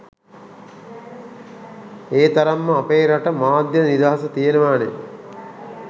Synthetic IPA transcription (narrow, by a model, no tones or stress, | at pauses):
eːt̪ɐɾɐmːɐːpeːɾɐʈɐmaːd̪jɐnid̪aːsɐt̪iːɾɐʋaːnḛ